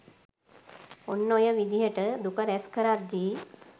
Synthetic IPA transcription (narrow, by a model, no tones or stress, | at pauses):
onːojəʋid̪iɦəʈəd̪ukəɾɛskəɾaɾd̪iː